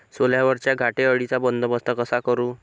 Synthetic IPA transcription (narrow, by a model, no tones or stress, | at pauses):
soljaʋəɾt͡ɕjaɡʱaʈeəɭit͡sabənd̪ʱəbəst̪ʰəkəsakəɾuː